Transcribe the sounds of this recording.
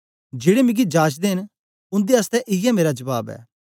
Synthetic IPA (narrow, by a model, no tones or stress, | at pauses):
d͡ʒeːɽemɪ̃ɡid͡ʒaːt͡ʃd̪eɦɪn | ʊ̃nd̪eɐst̪ɛʔɪjɛmeːɾad͡ʒɐbaːbɛ̰ː